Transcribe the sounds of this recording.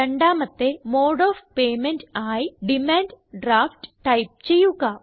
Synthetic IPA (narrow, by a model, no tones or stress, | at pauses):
ɐɳɖaːmɐt̪ːe̞moːɽoːfpe̞ːmenʈaːjiɖimaːɳɖɖɾaːfʈʈɐjp̚t͡ɕe̞jːuɣɐ